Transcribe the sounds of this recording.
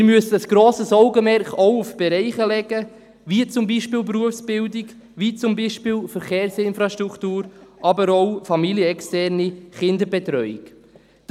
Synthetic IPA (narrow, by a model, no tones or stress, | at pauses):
ɪɾmyəsəəsɡ̥ɾoːsəsɔʊɡəmɛɾχɔwufb̥ɛɾɛɪχəlɛɡə | ʋiət͡sʊmbiʃpɪːlpɾuəfsb̥ɪldɪk | ʋit͡sʊmbiʃpɪːlfəɾχɛːɾsɪnfɾɑʃtɾuktuːɾʔɑbəɾɔʊfɑmiljəɛkstɛɾniχɪndəbɛt̪ɾœʏḭk | d̥